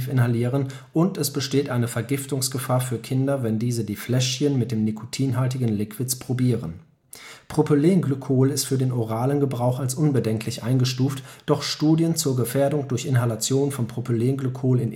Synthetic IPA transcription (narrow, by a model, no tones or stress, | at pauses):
fɪnhaliːʁən | ʔʊntɛsb̥əʃteːtʔaɪnəfɛɐɡɪftʊŋsɡ̥əfaːɐfyːɐkʰɪndɐvɛndiːzədiːflɛʃçənmɪt̚d̥eːmnikʰo̥tʰiːnɦaltɪɡən̩lɪkv̥ɪt͡spʁ̥obiːʁən | pʁ̥opoleːnɡlykʰoːlɪstfyːɐdeːnoʁaːlənɡəbʁaʊxalsʔʊnbədɛŋkʰlɪçʔaɪnɡəʃtuːftd̥ɔχʃtuːdjənt͡suːɐɡəfɛːɐdʊŋdʊɐçɪnɦalat͡sjoːnfɔnpʁ̥opʰoleːnɡlykʰoːlɪn